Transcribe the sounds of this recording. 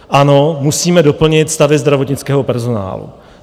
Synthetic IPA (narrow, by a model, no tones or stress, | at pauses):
ʔano̞musiːmɛdo̞pl̩ɲɪt̪st̪avɪzd̪ɾavo̞t̪ɲɪt͡skɛːɦo̞pɛɾzo̞na̰ːlṵ